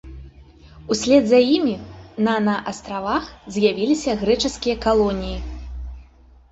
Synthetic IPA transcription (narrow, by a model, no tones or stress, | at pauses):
usʲlʲɛd̪zɐjimʲinanɐʔast̪ɾavaxzʲjavʲilʲisʲɐɣɾɛt͡ʂɐskʲijɐkalˠɔnʲiji